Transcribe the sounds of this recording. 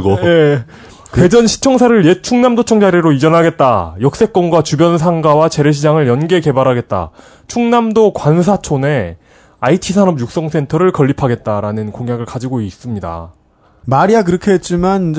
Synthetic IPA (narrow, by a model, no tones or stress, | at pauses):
ɡoe | kwe̞d͡ʑʌnɕʰi̥t͡ɕʰʌŋsʰaɾɯɭjet͡ɕʰuŋnamdot͡ɕʰʌŋd͡ʑaɾjiɾoid͡ʑʌnɦaɡe̞t̚t͈ajʌk̚s͈e̞k͈̚ʌnɡwat͡ɕubjʌns̬ʰaŋɡawat͡ɕe̞ɾe̞ɕʰid͡ʑaŋɯɭjʌnɡe̞ke̞baɾɦaɡe̞t̚t͈a̰ | t͡ɕʰuŋnamdokwansʰat͡ɕʰone̞ | aitʰisʰaɾʌmjuk̚s͈ʌŋsʰe̞ntʰʌɾɯɭkʌʎːipʰaɡe̞t̚t͈aɾanɯnkoŋjaɡɯɭkad͡ʑiɡois͈ɯmɲida̰ | maɾiakɯɾʌkʰeɦet̚t͡ɕ͈iman